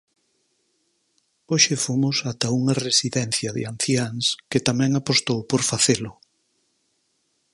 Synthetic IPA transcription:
oʃɪfomʊsat̪ɐuŋɐresiðɛnθjɐðɪ̰an̟θjaŋsket̪amɛ̃ŋapost̪owpoɾfaθelʊ

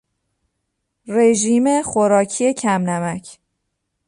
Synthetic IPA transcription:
reʒiːmexoɾɒːcʰie̞cʰæmnæmæcʰ

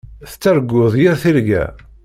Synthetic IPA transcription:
θə̥t͡sːæɾɡːʊðˤjiɾθiɾɡæ̰

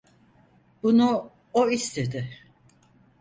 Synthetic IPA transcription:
b̥unu | oist̪ʰe̞d̪ɪ

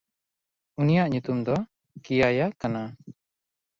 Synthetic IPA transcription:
unijaʔɲut̪umd̪ɔ | kijajakana

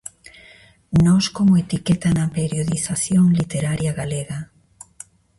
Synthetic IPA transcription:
nɔskomoet̪iket̪anɐpeɾjoðiθaθjoŋlit̪eɾaɾjaɣaleɣa

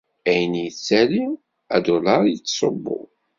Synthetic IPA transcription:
æjənjət͡sːæli | æd̪ʊlɑɾˤjət͡sːsˤobːʊ̰

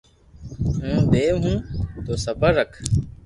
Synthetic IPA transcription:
ɦũːd̪eːɦũːt̪oːsəbəɾəkʰ

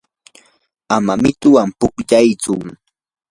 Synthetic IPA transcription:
amamɪt̪ʊwampʊkʎajt͡sʊ

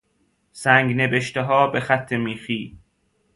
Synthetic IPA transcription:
sæŋɡne̞beʃt̪eɦɒːbe̞xæt̪ʰːemiːxiː

